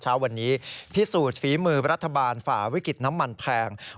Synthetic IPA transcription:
t͡ɕʰaː˦˥wːa˧nːiː˦˥pʰi˦˥suː˨˩t̪̚fiː˩˦mɯː˧ɾa˦˥t̪ʰːa˧baː˧nfaː˨˩wi˦˥ki˨˩t̪̚na˦˥mːa˧npʰɛː˧ŋ

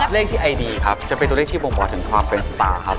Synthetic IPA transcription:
le˥˩k̚t̪iː˥˩ʔa˧jdiː˧kʰa˦˥p̚t͡ɕa˨˩pe˧nt̪u˧˦lt̪ʰiː˥˩boː˧ŋbɔː˨˩t̪ʰɯ˩˦ŋkʰwaː˧mpe˧nsat̪a̰ː˧˩kʰa˦˥p̚

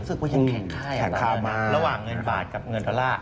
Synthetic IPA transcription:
sɯ˨˩k̚muː˧˩ja˩ɛː˨˩˦ŋkʰaː˥˩jkʰɛː˨˩˦kʰaː˧˩mːaː˧ɾa˧waː˨˩ŋːɤ˧nbaː˨˩t̪̚ka˨˩p̚ŋɤ˧ndɔː˧laː˥˩

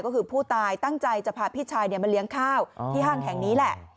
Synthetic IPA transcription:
kɔː˥˩kʰɯː˧pʰuː˥˩t̪aː˧jt̪a˥˩ŋt͡ɕa˧jt͡ɕa˨˩pʰaː˨˩pʰiː˦˥˩t̚t͡ɕʰaː˧jni˥˩əma˧nli˦əŋkʰaː˥˩wt̪ʰiː˥˩ɦaː˥˩ŋɦʰɛ˨˩˦ŋniː˦˥lɛ˨˩ʔ

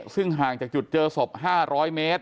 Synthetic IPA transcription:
sɯ˥˩ŋɦaː˨˩ŋt͡ɕaː˨˩k̚t͡ɕu˨˩t̪̚t͡ɕɤː˧so˨˩p̚ɦaː˥˩ɾɔː˦˥jmeː˦˥t̪̚

